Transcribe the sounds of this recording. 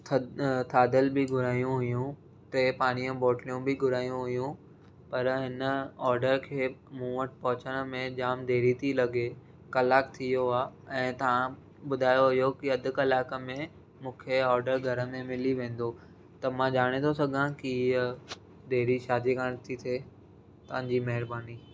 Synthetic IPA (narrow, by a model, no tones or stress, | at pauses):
t̪ʰt̪ʰaːd̪əlbɪɡʱʊɾaːijũɦʊjũ | t̪ɐpaːɽ̃ijə̃bɔːʈlijũbɪɡʱʊɾaːijũɦʊjũ | pɐɾɦɪnəɔːɾɖəɾkʰeːmũːməʈ̚pɐɦʊt͡ɕəɽ̃mẽd͡ʑaːmd̪eːɾit̪ʰilɐɡe | kɐlaːkt̪ʰijoaːɛ̃ːt̪ɐʋ̤ã | ɓʊd̪ʱaːjoɦijokiɐd̪ʱʊ̆kɐlaːkə̆mẽ | mũːkʰeɔːɾɖəɾɡʱɐɾə̆mẽmɪliʋẽːn̆d̪o | t̪ɐmãd͡ʑaːɽ̃et̪ʰosɐɡʱãkiə | d̪eːɾiʃaːd̪ikaːɽ̃t̪ʰit̪ʰeː | t̪ɐʋ̤ə̃ɲd͡ʑimɐɦɪɾbaːni